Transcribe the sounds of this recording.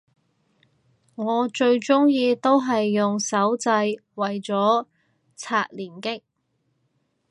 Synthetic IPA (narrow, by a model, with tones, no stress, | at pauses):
ŋɔː˨˧t͡ʃɵ˧ɥt͡sʊ˥ŋjiː˧t̪o˥wɦɐ˨jːʊ˨˩ŋsɐ˨˥wt͡sɐ˧jwɐ˨˩jt͡sɔː˨˥ | t͡sʰaː˧k̚liː˨˩nkɪ˥k̚